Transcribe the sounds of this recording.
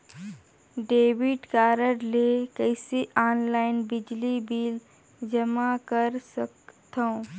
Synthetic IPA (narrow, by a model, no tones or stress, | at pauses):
ɖeːʋɪʈkaːɾəɾlekəseʔaːnlaːɪnbɪd͡ʒlibiːl | d͡ʒəmakəɾsəkt̪ʰõː